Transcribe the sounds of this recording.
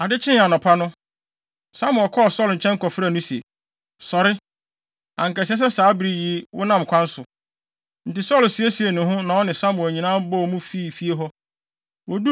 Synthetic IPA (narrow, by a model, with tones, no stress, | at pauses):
a˨dɪ˦t͡ɕʰɪ̃˦n˨a˨nɔ̃˨pʰa˦nʊ̃˦ | sa˦m˨ɛ˨kʰɔ˦˨sɔ˦lɲ̩˨t͡ɕʰɛ̃˦ŋ˦kɔ˨fɾa˦˨nʊ̃˦si˨ḛ˨ | sɔ˨ɾɪ˦ | ã̰˨ŋ̩˨ka˨si˨ɛ˦s̬ɛ˦saː˨˦bɾi˦ji˦wʔʊ̰˦nã˦˨m˨kʷʰã˦n̩˦sʊ˨ | n̩˨tɪ˨sɔ˦˨lsi˨e˦si˨e˨nʊ̃˨ɦʊ̃˦nã˨wɔ˦nɪ̃˨sa˦m˨ɲĩ˨nã˦m˦bɔ˦˨mũ˦fiː˦˨fi˦e˦ɦɔ˦ | wɔ˨du˦